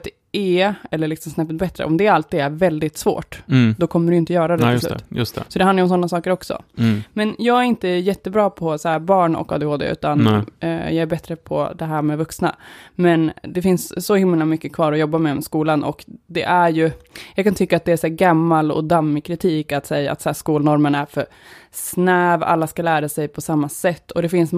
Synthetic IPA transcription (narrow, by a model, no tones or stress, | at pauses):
t̪ | eːɛlːəɭɪksɔmsnɛpːət̪̚bɛt̪ːɾə̰ʔɔmd̪ɛɾalt̪ːiːd̪æɾvɛld̪ɪt̪svo̰ːʈd̪ɔkʰɔmːəɖɵʏjɪnt̪əjœːɾad̪ɛt̪ɪslʉ̰ːt̪jst̪sɔd̪ɛhanajɾɔmsɔnːasɑːkəɾɔksɔ̰mɛnjɑːɡæɾɪnt̪əjɛt̪ːəbɾɑːpʰɔsahæːɾbɑːɳɔ̰kːɑ̰ːd̪ehoːd̪ḛʔʉ̟̰ːt̪an̰jɑːɡæɾbɛt̪ɾəpʰɔ̰d̪ɛɦæːɾmɛvɵksna̰mɛnd̪ɛfɪnsːɔhɪmlamʏkːəkʰvɑːɾɔjɔbːamɛmskuːlanʔɔ̰kd̪ɛʔæɾjɵjɑɡkʰant̪ʰʏkːaːt̪̚d̪ɛæsæːɾɡamːalɔ̰d̪amːɪkʰɾɪt̪ʰiːkat̪sɛjːaa̰t̪sæːʂkuːlnɔɾmənæɾfœɾ | snɛːva̰lːaskalæːɾasɛjpʰɔsamːasɛt̪ːɔd̪ɛfɪns